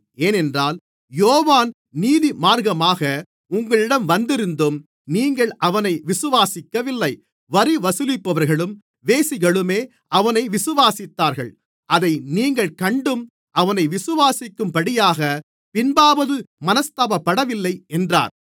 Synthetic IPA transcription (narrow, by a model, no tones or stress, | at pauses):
eːnɛndraːl | joːʋaːn | niːðimaːɾɣɐmaːɣɐ | ʊŋɡɐɭɪɽɐmʋɐnd̪ɪɾɯnd̪ɯm | niːŋɡɐɭʔɐʋɐnɐɪʋɪsɯʋaːsɪkːɐʋɪlːɐɪ | ʋɐɾiʋɐsɯlɪpːɐʋɐɾɣɐɭɯm | ʋeːsɪɣɐɭɯmeː | ɐʋɐnɐɪʋɪsɯʋaːsɪt̪ːaːɾɣɐɭ | ʔɐðɐɪniːŋɡɐɭkɐɳɖɯm | ʔɐʋɐnɐɪʋɪsɯʋaːsɪkːɯmpɐɽɪjaːɣɐ | pɪnbaːbɐðɯmɐnɐst̪aːbɐpːɐɽɐʋɪlːɐɪɛndra̰ːɾ